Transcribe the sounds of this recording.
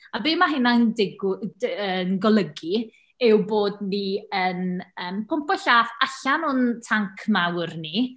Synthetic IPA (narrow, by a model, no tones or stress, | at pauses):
abɪːmaɦɪnandɪɡənɡɔlˠəɡi | ɛwboːdniənəːmpʰʊmpɔɬaːfaɬanʊntʰaŋkʰmawrni